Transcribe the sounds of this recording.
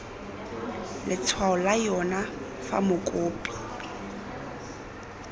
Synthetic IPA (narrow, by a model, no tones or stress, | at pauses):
lʔɪt͡sʰwaʊlajɔna | fa̰mʊkʼoːpʼi̥